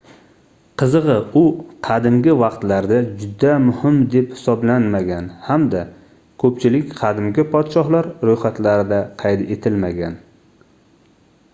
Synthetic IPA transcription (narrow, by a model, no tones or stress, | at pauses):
qʰɨzɨʁɨʊqʰɑd̪ɪmɡʲɪvɑqt̪laɾd̪ad͡ʒʊd̪amʊhɪmd̪e̞phɪ̥sɒblanmaɡʲanhamd̪a | kʰɵpt͡ʃʰɪlɪkʲqʰɑd̪ɪmɡʲɪpʰɒd̪ʃɒhlaɾɾojχat̪laɾɪd̪aqʰɑjt̪e̞t̪ʰɪlmaɡʲan